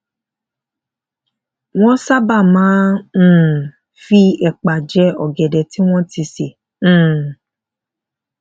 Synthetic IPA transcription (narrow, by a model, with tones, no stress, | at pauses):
w̃ɔ̃˦sa˦ba˦˨mãː˨˦˨ | fi˧ɛ˨k͡pa˨d͡ʒɛ˧˦ɔ˨ɡɛ˨dɛ˨ti˦w̃ɔ̃˦ti˧sẽ˨˦˨